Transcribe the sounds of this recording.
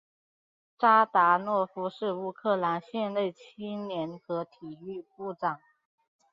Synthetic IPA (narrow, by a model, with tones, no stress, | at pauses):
ʈ͡ʂa˥t̪a˧˥nwɔ˥˩fu˥ʂɻ̩˥˩u˥kʰɤ˥˩la˧˥nɕjɛ˥˧nle˥˩ɪt͡ɕʰi˥njɛ˧˥nxɤ˧˥t̪ʰi˨˩y˥˧pu˥˩ʈ͡ʂɑ˨˩˦ŋ